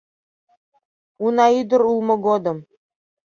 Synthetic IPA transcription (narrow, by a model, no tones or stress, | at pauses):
unɑid̪ə̆ɾulˠmɤ̆ɡod̪ɤ̆m